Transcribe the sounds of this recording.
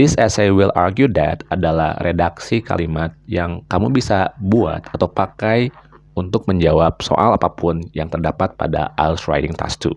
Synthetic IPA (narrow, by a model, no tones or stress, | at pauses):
d̥ɪsɛsejwila̰rɡjudɛt̪adala̰hrʔedaksika̰limat̪̚jaŋkamubisabua̰t̪at̪awpakajunt̪ʊk̚məɲd͡ʒawap̚so̰ʔalapapʊnjaŋt̪ərdapat̪̚pa̰da̰ʔa̰lsɾa̰jdɪŋt̪ʰa̰st̪ṵ